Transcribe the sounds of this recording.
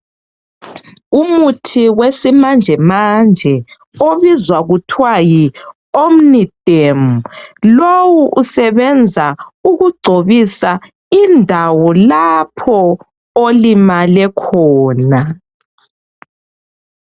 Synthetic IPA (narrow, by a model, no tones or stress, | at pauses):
umutʰiwesimand͡ʒʱɛmand͡ʒʱɛ | oβizwaɣutʰwaji | omnid̥ʱemulowuʔusɛβɛnd͡zʱauɣuɡ͡ǀʱoβisa | indʱawɔlapʰɔ | olimalɛkʰɔːna